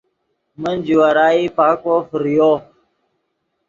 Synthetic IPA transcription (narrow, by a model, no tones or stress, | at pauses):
mənd͡ʑuwaɾaːipaːkofəɾijo